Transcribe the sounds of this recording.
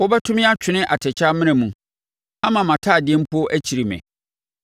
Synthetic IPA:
wɔ˦bɛ˦tʰʊ̃˦mɪ̃˦a˦t͡ɕᶣʰɪ˦nɪ̃˦ʔa˨tʰɛ˨t͡ɕʰa˦mɪ̃˦nɪ̃˨mũ˨ | a˦mã˨mã˨tʰaː˦˨dɪ˨˦ɛ˦m̩˦pʰu˦ɔ˦ʔæ˦t͡ɕʰi˨ɾi˨mɛ̰̃˨

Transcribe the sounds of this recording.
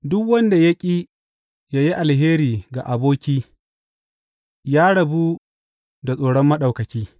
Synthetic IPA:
dʊ˦kwɐ˦nda˨jɐ˦kʲʼiː˦ | ja˦ji˦ʔa˨lɦeː˦ɾiː˨ɡa̰˨ʔa˨boː˦kʲiː˦ | jaː˦ɽɐ˨bu˦ | da˨sʼoː˨ɽɔ˦mːɐ˦ɗa˨wkɐ˨kʲiː˦

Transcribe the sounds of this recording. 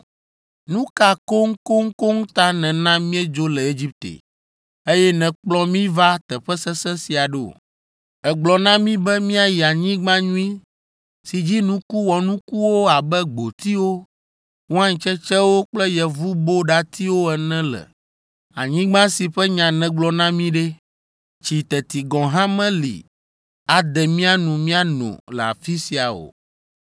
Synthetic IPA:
nũ˦ka˨ko˦ŋ̩˦ko˦ŋ̩˦ko˦ŋ˦t̪a˦nɛ̃˨nã˦mĩ˦ɛ˦d͡ʒo˦lɛ˨e˦d͡ʑi˦p̚t̪ḛ˨ | e˦jɛ˦nɛ̃˨k͡plɔ˦mĩ˦va˦t̪ɛ˨ɸɛ˦sɛ˦sɛ˦si˨a˨ɖɛ˦o̰˨ | ɛ˨ɡ͡blɔ˨nã˦mĩ˦bɛ˦mĩ˦a˦˨ji˨a˨ɲĩ˦ɡ͡bã˦ɲũ˦i˦ | si˨d͡ʑi˦nũ˦ku˦wɔ˨nũ˦ku˦wo˦a˨bɛ˦ɡ͡bo˨t̪i˦wo˦ | wo˦ã˦ɲĩ˨t͡ʃɛ˦t͡ʃɛ˦wo˦k͡plɛ˦jɛ˨vu˦bo˦ɖa˦t̪i˦wo˦ɛ˨nɛ̃˦lɛ̰˨ | a̰˨ɲĩ˦ɡ͡bã˦si˨ɸɛ˦ɲã˨nɛ̃˦ɡ͡blɔ˦nã˦mĩ˦ɖe˦ | t͡ʃi˨t̪ɛ˨t̪i˨ɡɔ̃˨ɦã˦mɛ̃˦lḭ˨ | a˨d̪ɛ˨mĩ˦a˦nũ˨mĩ˦a˦nɔ̰̃˨lɛ˨a̰˨fi˦si˨a˨o̰˨

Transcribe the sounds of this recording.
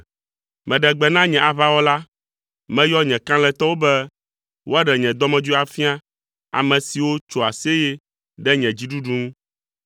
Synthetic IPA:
mɛ̃˨ɖɛ˨ɡ͡bɛ˨nã˦ɲɛ̃˨ʔa˨βa˦wɔ˦la˦ | mɛ̃˦jɔ˦ɲɛ̃˨kã˦lɛ̃˨t̪ɔ˦wo˦bɛ˦ | wo˦a˦ɖɛ˨ɲɛ̃˨d̪ɔ˦mɛ̃˨d͡ʒu˦a˨fi˦a˦ | a̰˨mɛ̃˨si˨wo˦t͡ʃo˨a˨se˦jɛ˦ | ɖɛ˦ɲɛ̃˨d͡ʑi˦ɖu˦ɖu˦ŋũ˦

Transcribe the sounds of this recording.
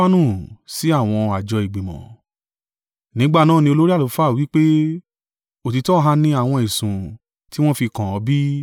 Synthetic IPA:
a˦nũ˦˨si˨˦a˦˨w̃ɔ̃˧a˨d͡ʒɔ˧i˨ɡ͡bi˨mɔ̰̃˨ | nĩ˨˦ɡ͡ba˦˨nãː˦˨nĩ˧o˧lo˦ɾi˦a˦˨lo˨˦fa˦˨wi˨˦k͡pe˦ | o˨ti˧tɔ˦ɦa˧nĩ˧˦a˦˨w̃ɔ̃˧i˨sũ˨ | ti˦w̃ɔ̃˦fi˧kã˨ɔ˧bi˦

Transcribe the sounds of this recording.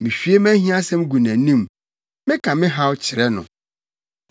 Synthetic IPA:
mɪ̃˨ɕᶣi˦e˦mæ̃˦ɦĩ˦a˦sɛ̃˦m˦ɡu˨næ̃˨˦nĩ˦m | mɪ̃˦kʰã˨mɪ̃˦ɦa˦wt͡ɕʰɪ˨ɾɛ˦nʊ̰̃˨

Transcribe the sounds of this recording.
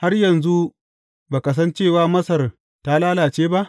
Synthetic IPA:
ha˦rjɐ˨nzu˦ | baː˨kɐ˨s̬ɐ˦nt͡ʃeː˦˨waː˦mɐ˦sɐ˨r | taː˦laː˦laː˨t͡ʃeː˦ba˦ʔ

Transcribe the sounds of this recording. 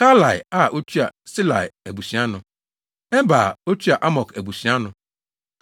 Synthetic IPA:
ka˦la˨ja˦˨ʔo˦tʰu˦a̰˨sɪ˦la̰˨jæ˨bu˨sɥa˦nʊ̃˨ | ɛ˦m˦ba˨o˦tʰu˦a˨ʔa˦mɔ˨kʰæ˨bu˨sĩ˨a˦nʊ̃˨

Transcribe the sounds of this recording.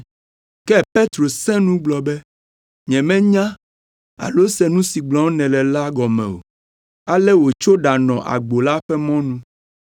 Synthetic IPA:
kɛ˦pe˦t̪ɾo˨sɛ̃˦nũ˦ɡ͡blɔ˨bɛ˦ | ɲɛ̃˨mɛ̃˦ɲã˦ | a̰˨lo˦sɛ˦nũ˦si˨ɡ͡blɔ̃˨˦wnɛ̃˨lɛ˨la˦ɡɔ˨mɛ̰̃˨o̰˨ | a˦lɛ˦wo˨t͡ʃo˦ɖa˨nɔ̃˨ʔa̰˨ɡ͡bo˨la˦ɸɛ˦mɔ̃˦nũ˦

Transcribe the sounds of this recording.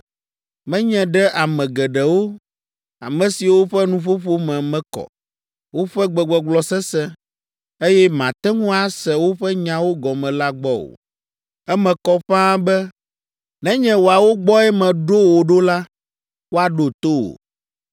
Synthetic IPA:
mɛ̃˦ɲɛ̃˨ɖɛ˦ʔa˨mɛ̃˨ɡɛ˨ɖɛ˨wo˦ | a̰˨mɛ̃˨si˨wo˦ɸɛ˦nũ˦ɸo˦ɸo˦mɛ̃˨mɛ̃˦kɔ̰˨ | wo˦ɸɛ˦ɡ͡bɛ˨ɡ͡bɔ˨ɡ͡blɔ˨sɛ˦sɛ̃˦ | e˦jɛ˦mã˨t̪ɛ˦ŋũ˦a˦sɛ˨wo˦ɸɛ˦ɲã˨wo˦ɡɔ˨mɛ̃˨la˦ɡ͡bɔ˦wo̰˨ | ɛ˦mɛ̃˨kɔ˦ɸã˦bɛ˦ | nɛ̃˦ɲɛ̃˦wo˨a˨wo˦ɡ͡bɔ˦ɛ˦mɛ̃˨ɖo˦wo˨ɖo˦la˦ | wo˦a˨ɖo˨t̪o˦o̰˨

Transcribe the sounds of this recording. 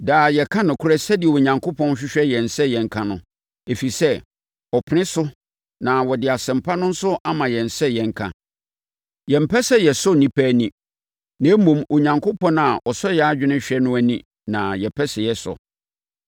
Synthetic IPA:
daː˨jɛ˨kʰã˦nʊ̃˨kʰʊ˦ɾɛ˦sɛ˦dɪ˨ɛ˨wo˨ɲã˨ŋkʰo˦pʰɔ̃˦n˦ɕᶣɪ˦ɕᶣɛ˦jɛ̃˨n˨sɛ˦jɛ̃˨ŋ̩˦kʰã˦nʊ̃˨ | e˨fi˨sɛ˦ | ɔ˨pʰɪ˨nɪ̃˦sʊ˦ | nã˨wɔ˨dɪ˨a˨sɪ̃˨m˨pʰa˦nʊ̃˦n̩˦sʊ˦ʔa˦mã˨jɛ̃˨n̩˨sɛ˦jɛ̃˨ŋ˦kʰã̰˨ | jɛ̃˨m̩˨pʰɛ˦sɛ˦jɛ˨sʊ˦nĩ˦pʰæː˦nĩ˦ | nã˨˦mũ˨mʔo˨ɲã˨ŋkʰo˦pɔ̃˦na˨ʔɔ˨sɔ˦jɛ˨a˦d͡ʑᶣɪ˦nɪ̃˦ɕᶣɛ˦nʊ̃˦æ˨nĩ˦ | nã˨jɛ˨pʰɛ˦sɛ˨jɛ˦sʊ̰˨

